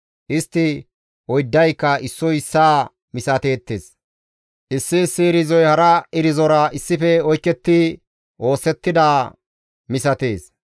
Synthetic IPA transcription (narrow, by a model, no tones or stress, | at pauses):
ʔɪst̪ːɪ | ʔɔjd̪ːɐjkːɐɪsːɔjɪsːaː | mɪsɐt̪e̞ːt̪ːes | ʔɪsːɪsːɪːɾɪzɔjhɐɾɐɪɾɪzɔɾɐʔɪsːɪfɛɔjkːɛt̪ːɪ | ʔo̞ːsːɛt̪ːɪd̪aː | mɪsɐt̪eːs